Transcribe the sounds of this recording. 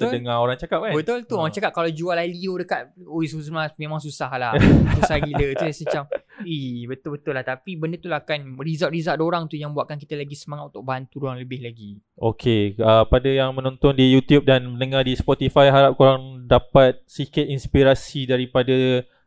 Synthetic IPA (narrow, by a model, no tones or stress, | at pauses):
t̪ədəŋaoɾaŋt͡ʃakap̚kanbət̪ʊlt̪uoɾaŋt͡ʃakap̚kalad͡ʒualaliodəkat̪̚oisuzəmlamẽmãŋs̬usahlasusaɡilət̪usət͡ʃamihbət̪ʊlbət̪ʊlaht̪apibəndət̪ulahakanrizatʔɾizadoɾaŋt̪ujaŋbuaʔ̪̚kank̬it̪alaɡisəmaŋat̪̚unt̪ʊk̚bant̪uduaŋləbɪhlaɡi | ʔo̰kʰeəpadajaŋmə̃nɔ̃nt̪ɔndijut̪jup̚danmənəŋadispɔt̪ifajɦaɾap̚koɾaŋdapat̪̚sikət̪inspiɾasidaɾipada